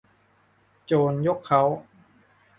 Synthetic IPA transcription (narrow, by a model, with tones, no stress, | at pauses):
t͡ɕoː˧njo˦˥kʰːa˦˥w